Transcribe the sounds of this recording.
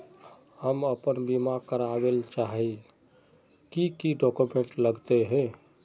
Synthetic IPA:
həməpənbimakəɾabelt͡ʃaɦi | kikiɖɔkumeɳʈləɡt̪eɦɛ̃

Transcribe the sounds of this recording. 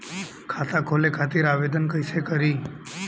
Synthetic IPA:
kʰat̪akʰolekʰat̪iɾaʋed̪ənkəjsekəɾi

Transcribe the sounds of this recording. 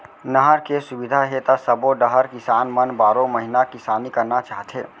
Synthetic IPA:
nəɦəɾkesubid̪ʱaɦet̪asəboɖəɦəɾkɪsaːnmənbaːɾõməɦinakɪsaːnikəɾnat͡ʃaːɦət̪ʰɦḛː

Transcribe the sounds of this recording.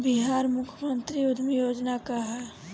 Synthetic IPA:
biɦaːɾmʊkʰjəmənt̪ɾiʊd̪ʱmijoːd͡ʒnakaɦɛ

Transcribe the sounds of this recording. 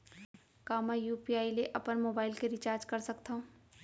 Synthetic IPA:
kaːmajuːpiaːileʔɐpənmoːbaːɪlkeɾɪt͡ʃaːɾd͡ʒkɐɾsɐkt̪aɦõː

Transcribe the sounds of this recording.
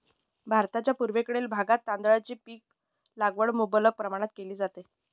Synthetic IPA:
bʱaɾt̪at͡ɕjapuɾʋekəɽelbʱaɡat̪ːand̪ɭat͡ɕiːpiːk̚ | laɡʋəɽmubələɡ̚pɾəmaɽ̃at̪̚keliːd͡zat̪e

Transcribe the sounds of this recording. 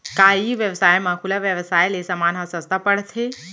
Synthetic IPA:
kaiʋjəʋsaːjmãkʰʊlaʋjəʋsaːjlesəmanasəst̪apəɽt̪ʰe

